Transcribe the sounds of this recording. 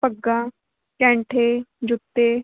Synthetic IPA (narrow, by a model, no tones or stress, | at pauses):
pəɡːãː | kɛ̃ːɳʈʰeːd͡ʒʊt̪ːeː